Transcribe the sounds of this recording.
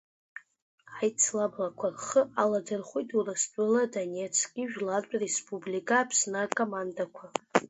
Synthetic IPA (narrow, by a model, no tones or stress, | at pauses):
ajt͡sʰlablakʷʰarχəaladɨrχʷojtʰurɨst͡pʼʊladonet͡sʰɡʲiʒᶣlart͡sʷʼrespʰʼublikʼaːpʰsnɨakʼomandakʷʰa